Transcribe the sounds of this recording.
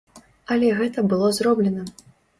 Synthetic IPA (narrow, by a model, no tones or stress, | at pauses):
ɐlʲɛɣɛt̪ɐbɨlˠɔzɾɔblʲɛnɐ